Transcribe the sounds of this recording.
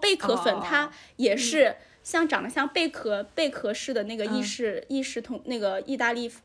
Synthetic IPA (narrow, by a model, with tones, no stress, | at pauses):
pe˥˩ɪkʰɤ˧˥fə˨˩nt̪ʰa˥jɛ˨˩ʂɻ̩˥˧ | ɕjɑ˥˩ŋʈ͡ʂɑ˨˩ŋd̪ə˦ɕjɑ˥˧ŋpe˥˩ɪkʰɤ˧˥pe˥˧ɪkʰɤ˧˥ʂɻ̩˥˩d̪ə˩na˥˩ɡə˩i˥˧ʂɻ̩˥˧i˥˧ʂɻ̩˥˩t̪ʰʊ˧˥ŋna˥˩ɪɡə˩i˥˧t̪a˥˧li˥˩f